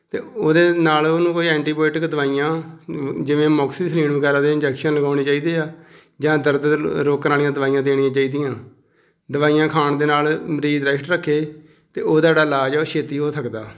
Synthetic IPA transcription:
t̪eːoːd̪eːnaːloːnũːkoːiːɛ̃ːɳʈiːboːɪʈɪkd̪əʋaːijãː | d͡ʒɪʋẽːmɔːksiːsliːɳʋəɡɛːɾãːd̪eːɪnd͡ʒɛːkʃənləɡaːʊɳeːt͡ʃaːiːd̪eːaː | d͡ʒãːd̪əɾd̪ɾoːknaːlijãːd̪əʋaːijãːd̪eːɽ̃ɪjãːt͡ʃaːiːd̪ijãː | d̪əʋaːijãːkʰaːɳd̪eːnaːlməɾiːd̪ɾɛsʈɾəkʰːeː | t̪eːoːd̪aeːɽaːlaːd͡ʒɛːʃʰeːt̪iːɦoːsəkd̪aː

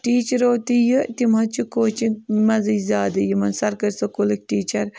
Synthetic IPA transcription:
ʈiːt͡ʃɾoːt̪ijɨt̪imɐt͡ʃʰikoːt͡ʃikmɐzɐjzʲaːd̪ɐjimɐnsɐɾkɐɾsɐkulɐk̚ʲʈiːt͡ʃɐɾ

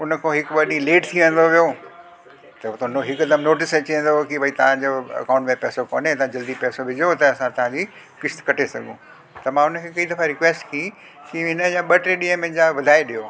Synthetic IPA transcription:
ʊnəkʰõɦɪkɓɐɗĩleːʈt̪ʰiʋə̃nd̪oʋijo | t̪ɐt̪noɦɪkɐd̪əmnoːʈɪst͡ɕiə̃nd̪okibʱɐit̪ɐʋ̤ãd͡ʑoɐ̰kãːʊ̃ɳʈmẽpɛːsoko̰ːnet̪ɐãd͡ʑɐld̪ipɛːsobʱɪd͡ʑot̪ɐɐsãt̪ɐʋ̤ãd͡ʑi | kɪst̪kɐʈʰesɐ̰ɡʱũ | t̪ɐmãːʊnkʰeːkɐid̪ɐfaɾɪkʋɛːsʈkʰiĩ | kiɦɪnəjãɓɐʈɾeɗĩɦə̃mẽɦɪ̃d͡ʑaʋɐd̪ʱaːeɗijoː

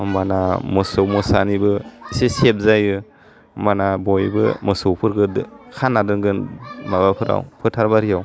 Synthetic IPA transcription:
mbanamɯsowmɔsanibɯisesep̚zajɯ | mbanabɔjbɯ̰mɯsowpʰɯɾɡɯdkʰanːadɯŋɡɯnmabapʰɯɾa̰wpʰɯtʰaɾbaɾijaw

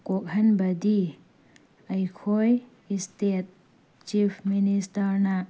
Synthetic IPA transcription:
kok̚ɦɐnbɐdi | ɐjkʰoj | istet̚ | t͡ʃipʰministɐɾna

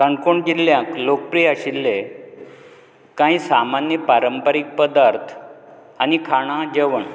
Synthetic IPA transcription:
kəɳkoɳɡilːjãklok̚pɾijaɕilːe | kãisamanjəpaɾəmpəɾik̚pəd̪aɾt̪ʰ | anikʰaɽ̃ad͡ʑeʋəɳ

